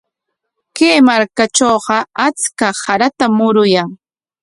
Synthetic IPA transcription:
keːmaɾkat͡ʃoːɢɑat͡skahaɾat̪amʊɾʊjaŋ

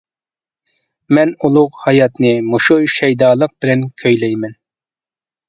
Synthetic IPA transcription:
mɛnulˠʊqhɑjɑt̪nɨmoʃuʃɛjd̪ɑːlˠəq̚b̥ɪlɛnkʲʰøjlɛjmɛn

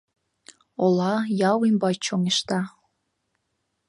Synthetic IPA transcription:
olɑjɑwimbɑjt͡ɕoŋeʃt̪ɑ

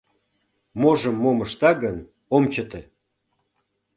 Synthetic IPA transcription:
moʒəmːoməʃt̪ɑɣən | omt͡ɕət̪ĕ

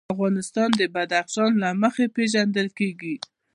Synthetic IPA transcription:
afɣɑnɪst̪ɑnd̪əbad̪axʃɑnlaməxepeʒand̪əlkeɡi

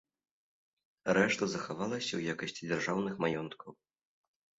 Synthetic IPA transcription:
ɾɛʂt̪ɐzɐxavalˠɐsʲɐwjakɐsʲt͡sʲid͡zʲarʐawnɨxmajɔnt̪kʰɐw

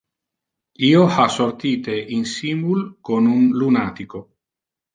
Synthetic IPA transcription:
iːohasort̪iːt̪eʔinsimbulkonunlunat̪iko

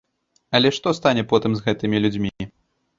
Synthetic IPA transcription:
ɐlʲɛʂt̪ɔst̪anʲɛpɔt̪ɨmzɣɛt̪ɨmʲilʲud͡zʲmʲi

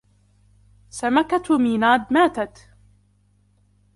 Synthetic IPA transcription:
samakat̪miːnaːd̪maːt̪at̪

